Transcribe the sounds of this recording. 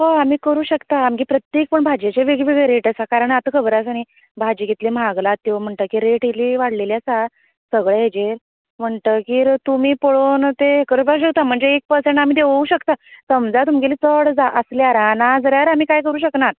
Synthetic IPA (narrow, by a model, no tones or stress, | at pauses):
ɦəam̤iːkəɾuːɕəkt̪aːmɡipɾət̪jek̚pəɳbʱad͡ʑet͡ɕeʋeɡʋeɡɭeɾeʈasakaɾəɳat̪əkʰəbɾasaɽ̃i | bʱad͡ʑiɡet̪lim̤aɡlat̪ːiʋam̤əɳʈ̪əkiːɾeʈɦiliːʋaɽ̤leljasa | səɡɭeɦed͡ʑeɾ | m̤əɳʈ̪əkiːɾt̪umiːpəɭont̪ekəɾbaɕ̬əkt̪am̤əɳd͡zeːk̚pəɾsẽɳʈamiːd̪eʋəuɕəkt̪asəmd͡zat̪umɡeliːt͡səɽd͡zaʔəsljaaɾanad͡zəɾjaɾam̤iːkajkəɾuːɕəknat̪̚